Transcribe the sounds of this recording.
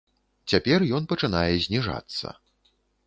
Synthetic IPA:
t͡sʲapʲɛrjɔnpɐt͡ʂɨnajɛzʲnʲiʐa̰t̪sːɐ̰

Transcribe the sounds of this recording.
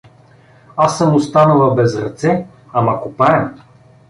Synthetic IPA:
asːəmost̪anəlˠɐbɛzɾɐt̪sɛ | amakopaɛm

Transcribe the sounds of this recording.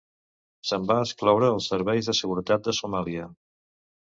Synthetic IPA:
səmbaəsklɔwɾəːlˠsəɾβɛjzðəsəɣuɾət̪at̪̚d̪əsumaliə

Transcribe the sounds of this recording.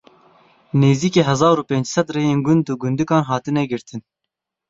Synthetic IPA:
neːziːkeːɦɛzɑːɾuːpeːnd͡ʒsɛd̪reːjeːnɡʊnd̪uɡʊnd̪ɨkɑːnɦɑːt̪ɨnɛɡɨɾt̪ʰɨn

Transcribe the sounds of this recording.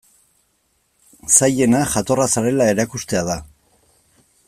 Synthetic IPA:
saje̞naʝat̪o̞rasaɾe̞lae̞ɾakust̪e̞að̞a

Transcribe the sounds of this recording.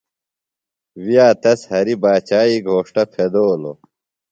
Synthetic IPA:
wijaːt̪ɐshɐɾibaːt͡ɕaːiɡʱoːʂʈɐpʰed̪oːlo̰

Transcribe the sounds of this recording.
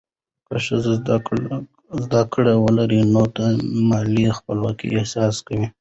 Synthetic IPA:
kəʃəz | zd̪akɽawəlaɾinot̪amɑlixpəlwɑkḭʔehsɑskawi

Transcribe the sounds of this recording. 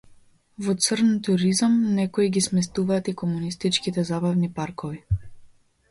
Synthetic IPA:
vɔt̪sərnt̪uɾizamnɛkɔiɡismɛs̬t̪uvaːt̪ikɔmunist̪it͡ʃkit̪ɛzabavnipaɾkɔvi

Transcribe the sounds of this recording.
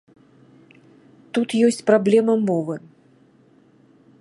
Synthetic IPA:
t̪ut̪jɔsʲt͡sʲpɾablʲɛmɐmɔvɨ

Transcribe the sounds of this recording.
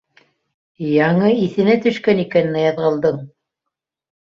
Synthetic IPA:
jɑɴɤiθɘ̆næt̪ɵ̆ʃkænikænɘ̆næjɑðʁɤ̆lˠd̪ɤɴ

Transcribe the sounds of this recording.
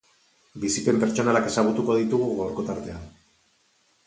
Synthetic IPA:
bisipe̞mpe̞ɾt͡ʃo̞nalake̞saɣ̞ut̪uko̞ðit̪uɣuɣawɾko̞t̪aɾt̪e̞an

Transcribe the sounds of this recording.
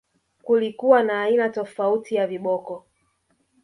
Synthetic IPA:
kulikuwanaːinatɔfautʰijaviɓɔkɔ

